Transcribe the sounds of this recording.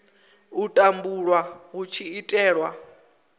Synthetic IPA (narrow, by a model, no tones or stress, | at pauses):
utʼambuɺwaɣut͡ʃʰiitʼɛːɺwa